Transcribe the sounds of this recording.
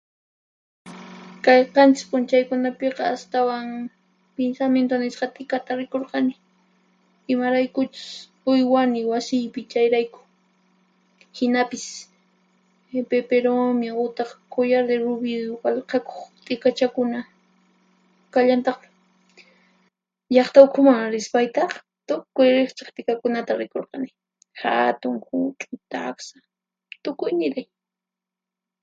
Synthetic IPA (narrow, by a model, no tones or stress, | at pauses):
kɑjqɑnt͡ʃɪ̥kpʊnt͡ʃajkʊnapeqɑast̪awaŋ | pensamjent̪onɪsqɑt̪ʼɪkat̪aɾɪkoɾqɑnɪ | ɪmaɾajkʊt͡ʃʊ̥s | ʊjwanɪwasɪjpɪt͡ʃajɾajkʊ̥ | hɪnapɪs | pepeɾomɪʊt̪ɑχkojaɾd̪eɾʊbɪwalqɑko̥χt̪ʼɪkat͡ʃakʊna | kaʎant̪ɑχmɪ̥ | ʎɑχt̪aʊkʰʊmaŋɾɪspajt̪ɑχ | t̪ʊkʊjɾɪχt͡ʃḁχt̪ʼɪkakʊnat̪aɾɪkoɾqɑnɪ | ha̰t̪ʊŋhʊt͡ʃʼʊt̪aa̰ksḁ | t̪ʊkʊjnɪɾaj